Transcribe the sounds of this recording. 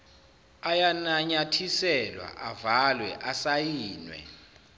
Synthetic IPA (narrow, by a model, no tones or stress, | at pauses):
ajanaɲatʰisɛlwa̰ʔavalwɛ̰ʔasajiːnwɛ̰